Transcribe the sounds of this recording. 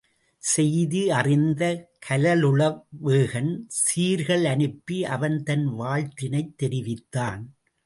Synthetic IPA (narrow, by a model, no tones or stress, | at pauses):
sɛjðiɐrɪnd̪ɐkʰɐlɐlʊɭɐʋeːɣɐnsiːɾɣɐɭɐnɯpːiʔɐʋɐnt̪ɐnʋaːɻt̪ɪnɐɪt̪ːɛɾɪʋɪt̪ːaːn